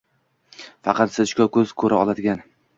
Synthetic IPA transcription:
fɑqʰɑt̪sɪʃkʲakʰɵzkʰɵɾʔaɒlˠad̪ɪɡʲan

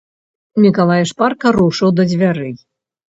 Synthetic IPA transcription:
mʲikalˠajʂparkɐɾuʂɨwd̪ɐd͡zʲvʲaɾɨ

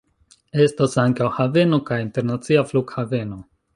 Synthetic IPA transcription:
e̞stasaŋkawhave̞no̞kajinte̞ɾnat͡siafluɡhave̞no̞

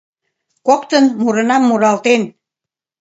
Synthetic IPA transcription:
kokt̪ənmuɾənɑmːuɾɑlt̪en

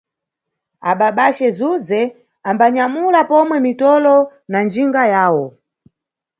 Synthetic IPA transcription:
aɓaɓaʃɛzuzɛ | ambaɲamulapɔmwɛmitɔlɔ | nand͡ʒiŋɡajaːwɔ

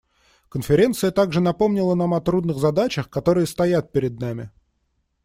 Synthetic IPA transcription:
kənfʲɪɾʲe̞nt̪sɨjət̪aɡʐɨnɐpo̞mnʲɪlˠənamɐt̪ɾud̪nɨɣzɐd̪at͡ɕəxkɐt̪o̞ɾɨjəst̪ɐjat̪̚pʲɪɾʲɪd̪̚namʲɪ̰

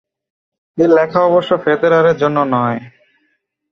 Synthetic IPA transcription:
elɛkʰaɔboʃːofed̪eɾaɾeɾd͡ʑonːonɔe

